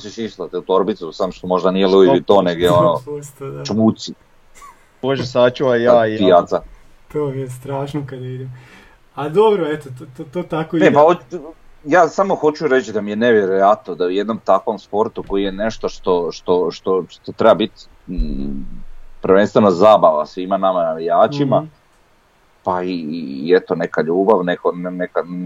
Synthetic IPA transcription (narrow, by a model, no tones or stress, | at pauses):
osiʃiʃt̪at̪ut̪oɾbit̪susamoʃt̪omo̞ʒd̪anijelubiit̪oneɡeonoust̪ad̪at͡ʃmusi | boʒesaːt͡ɕuajaːijat̪sa | t̪oːmiest̪ɾaːʃnokad̪aid̪im | ad̪obɾoet̪oot̪ot̪ot̪akoinepao | jaːsamo̞xo̞t͡ɕuɾet͡ɕd̪amijeneʋjeɾojat̪nod̪auje̞d̪no̞mt̪akʋo̞mspo̞ɾt̪uko̞jije̞ne̞ʃt̪oʃt̪o̞ʃt̪o̞ʃt̪o̞t̪ot̪ɾebabit̪ | pɾʋenst̪ʋe̞nozaːbaʋa̰sʋiːmanamanalijaːt͡ʃima | paiet̪o̞ne̞kaʎuːbaʋnekonneka